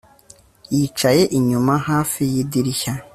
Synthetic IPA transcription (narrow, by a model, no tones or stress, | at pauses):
jiːt͡ʃaje̞ʔiɲumahaːfijidiɾiça